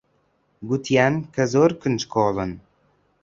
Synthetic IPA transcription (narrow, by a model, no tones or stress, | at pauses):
ɡut̪ʰjænkʰəzoɾkʰɨnt͡ʃkʰoːlən